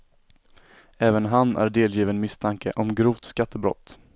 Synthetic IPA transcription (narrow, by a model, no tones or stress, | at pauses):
ɛːvənɦanːæ̰ɾɖeːljiːvənmɪst̪ʰaŋkʰə̰ʔɔmɡɾuːvt̪skat̪ʰːəbɾɔ̰t̪ː